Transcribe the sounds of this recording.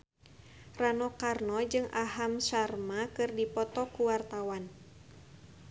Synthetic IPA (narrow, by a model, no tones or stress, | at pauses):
ranɔkarnɔd͡ʒɨŋaɦamsarmakɨrdipɔt̪ɔkuwart̪awan